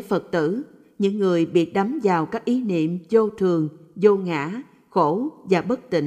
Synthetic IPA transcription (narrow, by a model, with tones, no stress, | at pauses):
fə˨˩t̚t̪ɨ̰˧˥ | ɲɨ̰˧˥ŋːɨ˨˩əjɓi˨˩ət̚ɗa˨˦mzaː˨˩wkaː˦˥k̚ʔi˨˦nḭ˧˨əmzo˧t̪ʰɨ˨˩əŋzo˧ŋa̰ː˧˥ | xo˧˩˥vaː˨˩ɓə˦˥k̚t̪ḭ̈˧˨